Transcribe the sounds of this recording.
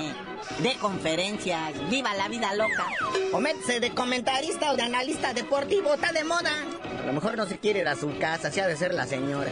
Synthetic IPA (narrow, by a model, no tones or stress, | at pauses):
d̪eko̞ɱfeɾe̞nsjasbiβalaβiðalo̞kaomet̪e̥seðeko̞ment̪aɾist̪aoðeanalist̪aðe̞po̞ɾt̪iβo̞est̪aðemo̞ða̰ | a̰lomexo̞ɾno̞s̬ekjeɾeɾasukasasiaðes̬eɾla̰seɲo̞ɾa̰